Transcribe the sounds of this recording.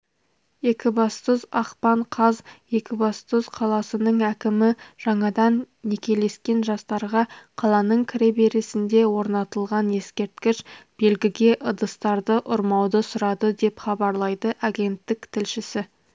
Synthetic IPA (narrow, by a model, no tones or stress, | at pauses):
je̞kʲɪbɑst̪əzɑqpɑɴqʰɑzje̞kʲɪbɑst̪əz̥qʰɑlˠɑsənəɴækʲɪmɪʒ̥ɑɴɑd̪ɑnːe̞kʲe̞le̞skʲe̞nʒɑst̪ɑɾʁɑqʰɑlˠɑnəɴkʲʰɪɾebeɾesɪnd̪e̞wo̞ɾnɑt̪əlˠʁɑne̞skʲe̞ɾt̪kʲɪʃb̥e̞lɡʲɪɡʲe̞ʔəd̪əst̪ɑɾd̪əʔʊɾmɑwd̪əsʊɾɑd̪əd̪e̞pχɑbɑɾlˠɑjd̪əʔaɡʲe̞nt̪ːɪkt̪ʰɪlʃɪsɪ